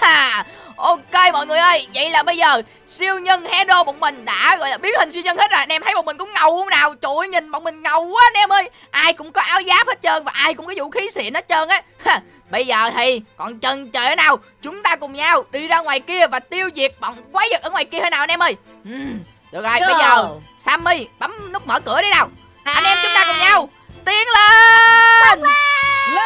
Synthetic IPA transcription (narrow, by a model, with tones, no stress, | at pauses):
aː˨˩ʔo˧ke˧mɔ̰˧˨jŋɨ˨˩əjʔə˧jvə̰˧˨jlaː˨˩ɓə˧jzəː˨˩ | si˧əwɲə˧nhɛ˧ɗo˧ɓo̰˧˨ŋ͡mmï˨˩ŋ̟ɗa̰ː˧˥ɣɔ̰˧˨jlaː˨˩ɓi˦˥ət̚hï˨˩ŋ̟si˧wɲə˧ŋhe˦˥t̚zaː˨˩nɛ˧˩mt̪ʰə˦jmɔ˨˩mï˨˩ŋ̟kʊ̰˧˥ŋ͡mŋə˨˩whwŋ͡mnaː˨˩wt͡ɕu˧˩jɲï˨˩nmɔ̰˧˨n̚mï˨˩ŋ̟ŋə˨˩waː˨˦nɛ˧mʔəː˧j | ʔaː˧jkʊ̰˧˥ŋ͡mkɔ˨˦ʔaː˨˦wzaː˨˦˥p̚he˦˥t̚t͡ɕəː˧nvaː˨˩ʔaː˧jkʊ̰˧˥ŋ͡mkɔ˨˦zṵ˧˨˥xi˨˦sḭ˧˨ənhə˦˥t̚t͡ɕəː˧nʔaː˨˦a˨˩ | ɓə˧jzəː˨˩t̪ʰi˨˩kɔ˨˩nt͡ɕə˨˩nt͡ɕəː˨˧˩naː˨˩w | t͡ɕʊ˨˦ŋ͡mt̪aː˧kʊ˨˩ŋ͡mɲaː˧wɗi˧zaː˧ŋwaː˨˩jki˧əvaː˨˩t̪i˧əwzi˨˩ək̚ɓ̰wŋ͡mkwaː˨˦jzə˨˩k̚əː˧˩ŋwaː˨˩jki˧əhəː˧jnaː˨˩ʔnʔɛ˧mʔəː˧j | ʔm | ɗɨ˨˩ək̚zə˨˩jɓə˧zəː˨˩ | saː˧mi˧jɓa˨˦mnʊ˦˥k͡p̚məː˧˦kɨ˧˥əɗə˨˦naː˨˩w | ʔə˧nʔɛ˧mt͡ɕʊ˨˦ŋ͡mt̪aː˧kʊ˨˩ŋ͡mɲa˧w | t̪i˨˦əŋle˧ | n